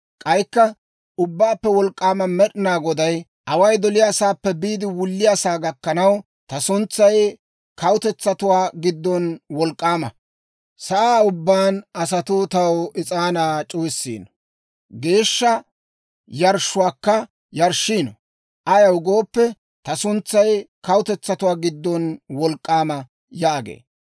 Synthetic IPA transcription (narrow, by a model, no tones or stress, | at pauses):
kʼɐjkːɐ | ʊbːaːpːɛwɔlkʼːaːmɐmɛɗɪnaːɡɔd̪ɐj | ʔɐwɐjd̪ɔlɪjaːsaːpːɛbiːd̪ɪwʊlːɪjaːsaːɡɐkːɐnɐw | t̪ɐsʊnt͡sːɐj | kɐwʊt̪ɛt͡sːɐt̪ʊwaːɡɪd̪ːɔnwɔlkʼːaːmɐ̰ | sɐʔaːʊbːaːnʔɐsɐt̪ʊt̪ɐwɪt͡sʼaːnaːt͡ʃʼuwsːḭːnɔ | ɡe̞ːʃːɐ | jɐɾʃʊwaːkːɐ | jɐɾʃiːnɔ | ʔɐjɐwɡo̞ːpːɛ | t̪ɐsʊnt͡sːɐjkɐwʊt̪ɛt͡sːɐt̪ʊwaːɡɪd̪ːɔnwɔlkʼːaːmɐ | jaːɡḛː